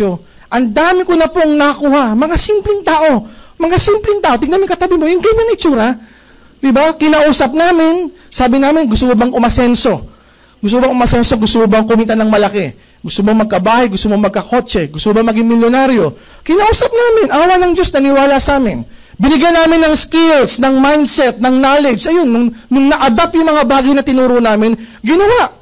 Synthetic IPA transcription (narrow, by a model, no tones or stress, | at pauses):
o | ʔɐnd̪aːmɪkonɐpoŋnɐkuːhɐmɐŋasimplɪŋt̪aːʔo̞mɐŋasimplɪŋt̪aːʔo̞t̪ɪɡ̚namɪŋkɐt̪ɐbɪmojʊŋɡɐɲːaŋɪt͡ʃuːɾɐ | d̪ɪbakɪnaʔuːsɐp̚naːmɪn | saːbɪnaːmɪnɡʊst̪ʊkobɐŋʔʊmɐsɛnso̞ | ɡʊst̪bɐŋʔʊmɐsɛnso̞ɡʊst̪ʊbɐŋkʊmit̪anɐŋmɐlɐkɛ | ɡʊst̪omomɐɡ̚kɐbaːhɐjɡʊst̪omomɐɡ̚kɐko̞t͡ʃɛɡʊst̪obɐŋmɐɡɪŋmɪljonaɾjo̞ | kɪnaʔuːsɐp̚naːmɪnʔaːwɐnɐŋd͡ʒo̞snɐnɪwaːlɐsaːmɪn | bɪnɪɡjajnaːmɪnːɐŋskɪlsnɐŋmajnd̪sɛt̪̚nɐŋnaːlɛd͡ʒɐjo̞nːʊŋːʊŋnɐʔɐd̪apjʊŋmɐŋabaːɡɐjnɐt̪ɪnuːɾoʔnaːmɪn | ɡɪnɐwaʔ